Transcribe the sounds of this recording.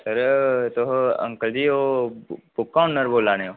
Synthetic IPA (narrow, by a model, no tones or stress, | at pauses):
t̪əɾt̪oɦɐ̰̃ŋkəld͡ʒiːobʊkːaːɳnɐɾboːlaːneo